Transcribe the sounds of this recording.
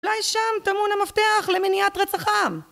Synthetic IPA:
ulajʃamtamunamafteaχleminiat̪ʁet͡saχam

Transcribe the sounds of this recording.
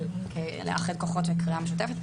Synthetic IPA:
kʰelḛʔa̰χed̪̚koχot̪vekiameʃut̬efet̪

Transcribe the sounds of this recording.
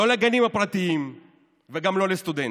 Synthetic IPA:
o̞leɡanimhapʁat̪iim | veɡamlo̞lest̪ud̪en

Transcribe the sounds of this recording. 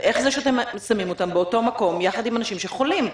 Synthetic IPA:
ʔeχzeʃeat̪emsamimot̪ambeoto̞mako̞mjaχad̪imanaʃimʃeχolim

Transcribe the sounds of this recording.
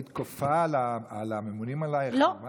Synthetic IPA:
it̪kofalaalamemunimalajlova

